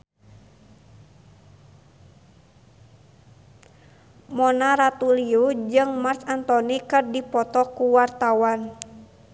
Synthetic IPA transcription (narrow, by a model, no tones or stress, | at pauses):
mɔnaɾat̪uliud͡ʒɨŋmarsant̪ɔnikɨrdipɔt̪ɔkuwart̪awan